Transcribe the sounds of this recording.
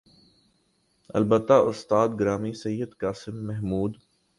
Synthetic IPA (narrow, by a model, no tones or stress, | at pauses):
ɐ̰lbət̪ːaʊst̪aːd̪ɡɾaːmisɐjːəd̪kaːsɪmːɛɦmuːd̪